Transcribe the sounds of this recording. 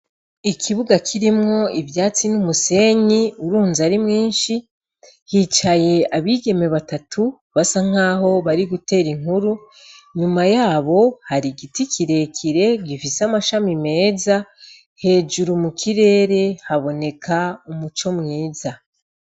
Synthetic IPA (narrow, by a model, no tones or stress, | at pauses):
ikʰiβuɡakʰiɾimŋo̞ivjaːt͡sinumuse̞ɲiuɾuːnzaɾimŋiːnʃi | hit͡ʃaje̞ʔaβiɡe̞me̞βatatʰu | βasaŋ̥aːɦo̞βaɾiɡute̞ːɾiŋ̥huɾu | ɲumajaːβo̞haɾiɡitikʰiɾe̞kʰiɾe̞ɡifisamaʃamime̞ːza | he̞ːd͡ʒuɾumukʰiɾe̞ːɾe̞haβo̞ne̞kʰaumut͡ʃo̞mŋiːza